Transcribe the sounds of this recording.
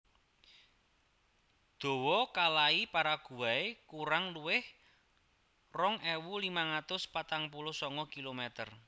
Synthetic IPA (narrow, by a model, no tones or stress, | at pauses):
d̪̥o̤wɔkalaipaɾaɡ̥ṳwaekuɾaŋluwɪh | rɔŋɛwulimaŋat̪ʊspat̪aŋpulʊhsɔŋɔkilomɛt̪ər